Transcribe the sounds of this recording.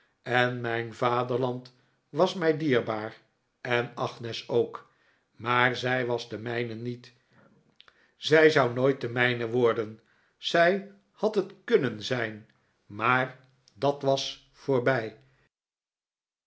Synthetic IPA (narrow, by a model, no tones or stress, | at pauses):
ɛnmɛjnvaːdəɹlɑnt | ʋɑsmɛjdiːɹbaːr | ʔɛnɑχnɛsowk | maːɹzɛjʋɑzdəmɛjnənit | z̥ɛjzɑwnojt̚dəmɛjnəʋɔɹdən | z̥ɛj | hɑtɦətkɵnənzɛjn | maːr | dɑtʋɑs | foːɹbɛj